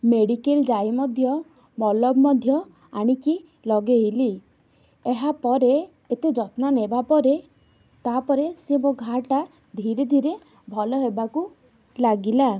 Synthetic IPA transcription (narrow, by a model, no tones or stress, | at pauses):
meɽikeld͡ʒajmɔd̪ʱjɔ | mɔlɔbmɔd̪ʱjɔ | aɽ̃iki | lɔɡejli | eɦapɔɾeː | t̪ed͡ʒɔt̪nanebapɔɾe | t̪apɔɾesemoɡʱaʈa | d̪ʱiɾed̪ʱiɾe | bʱɔlɔɦebaku | laɡila